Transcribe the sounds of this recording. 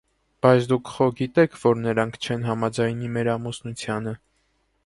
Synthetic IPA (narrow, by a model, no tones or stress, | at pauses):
b̥ɑjt͡sʰd̪ukʰχɔɡit̪ɛkʰvɔɾnəɾɑŋkʰt͡ʃʰɛnɦɑmɑd͡zɑjnimɛɾɑmusnut͡sʰjɑnə